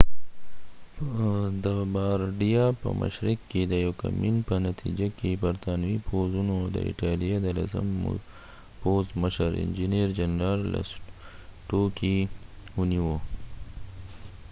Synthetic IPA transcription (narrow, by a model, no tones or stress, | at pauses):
d̪əbaɾɖijapə̰mə̰ʃɾɪkːed̪əjowka̰minpənat̪ʰḭd͡ʒakebɐɾt̪aːnwipʰozunod̪ə̰ɪ̰ʈaːlijad̪əla̰zə̰m̰ | pozməʃəɾɪ̰nd͡ʒineɾd͡ʒanɾaɾla̰s | ʈoki | uniwo